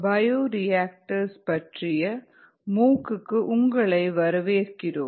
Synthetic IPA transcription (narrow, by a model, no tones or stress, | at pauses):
bɐjoːɾɪjaːk̚ʈɐɾspɐʈrɪjɐ | muːkːɯkːɯʔʊŋɡɐɭɐɪʋɐɾɐʋeːɾkɪroːm